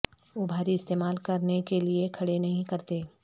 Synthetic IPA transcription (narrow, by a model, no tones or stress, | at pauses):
ʋobʱaːɾiɪst̪eːmaːlkɐɾnekeliekʰɐɽenɐɦĩkɐɾt̪eː